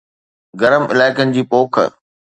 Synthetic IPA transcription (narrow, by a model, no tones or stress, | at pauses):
ɡɐɾəmɪ̰laːɪkənɪ̆d͡ʑiːpoːkʰə̰